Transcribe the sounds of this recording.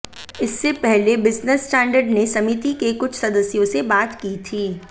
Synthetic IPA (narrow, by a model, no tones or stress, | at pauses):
ɪsːepɛɦlebɪznəsːʈɛ̃ːɳɖəɾɖnesɐmit̪ikekʊt͡ʃʰsɐd̪əsjõsebaːt̪kiːt̪ʰiː